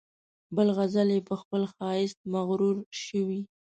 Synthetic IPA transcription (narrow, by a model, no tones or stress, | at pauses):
bəlɣazaljepəxpəlxɑɪst̪̚maɣɾuɾʃəwi